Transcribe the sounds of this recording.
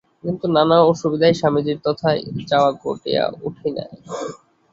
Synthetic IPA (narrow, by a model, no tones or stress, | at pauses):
kint̪unanaoʃubid̪aeʃamid͡ʑiɾt̪ɔt̪ʰaed͡ʑaoako̰ʈḛa̰uʈʰina̰e